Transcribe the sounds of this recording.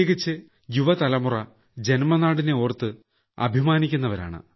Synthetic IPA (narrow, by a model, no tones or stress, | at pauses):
ɡit͡ɕːɨ | juʋɐt̪ɐlɐmurɐ | d͡ʑe̞nmɐnaːɽine̞oːrt̪ːɨ | ɐ̰bʱimaːnikʲːunːɐʋɐɾa̰ːɳɨ̰